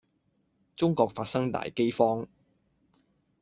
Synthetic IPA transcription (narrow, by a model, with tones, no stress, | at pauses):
t͡sʊ˥ŋkɔː˧k̚faː˧t̚sɐ˥ŋt̪a̰ː˨jke˥jfɔː˥ŋ